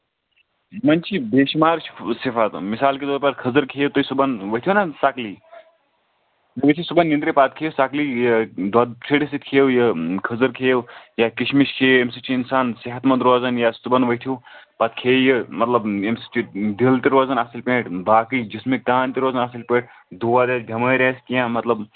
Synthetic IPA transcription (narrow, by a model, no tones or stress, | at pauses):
mɐnt͡ʃʰibeːʃmaːɾt͡ʃʰsipʰat̪misaːlked̪oɾpɐɾkʰɐzəɾkʰeːt̪oisubɐnʋɐt̪ʰiunasakli | ʋət̪ʰisubɐnːind̪ɾipat̪̚kʰeːsaklijd̪ɐd̪t͡ʃʰeʈisit̪kʰeːwjɐkʰəzəɾkʰeːwjakiʃmiʃkʰeːemsit͡ʃʰiːnsaːnsiɦɐt̪mɐd̪ɾoːzɐnjasubɐnʋɐɦt̪ʰijupat̪̚kʰeːjəmɐt̪lɐbemsi̥t͡ʃʰid̪ilt̪iɾoːzɐnasilʲpẽːʈbaːkid͡ʒismekaːnt̪iɾoːzɐnaːsilpẽːʈ̚ʰ | d̪uʋad̪eːsbʱʲɐməːɾʲeːskijãmɐt̪lɐb